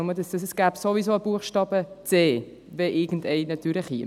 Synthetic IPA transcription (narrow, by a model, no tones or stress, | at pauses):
mədəsd̥əsɛsɡ̥æːbsovisoəb̥uəχʃtɑːb̥ət͡seː | vɛʔɪɡ̥n̩dɛɪnɑt̪yːɾləχhḭ